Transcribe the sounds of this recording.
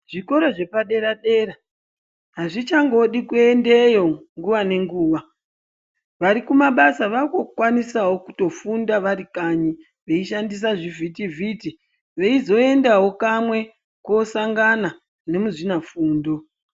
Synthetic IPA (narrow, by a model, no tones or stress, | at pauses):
ʐ̥iko̞ɾoʐe̞paɗe̞ɾaɗe̞ɾa | ɦaʐit͡ʃaŋɡo̞ɗikue̞ndejo̞ŋɡuʋane̞ŋɡuːʋa | ʋaɾikumaɓasaʋakokwanisawo̞ku̥to̞fundaʋaɾikaɲi | ʋe̞iʃandis̬aʐivʱitiviti | ʋe̞izo̞e̞ndawo̞kamwe̞ | kosaŋɡana | ne̞muʐinafuːndo̞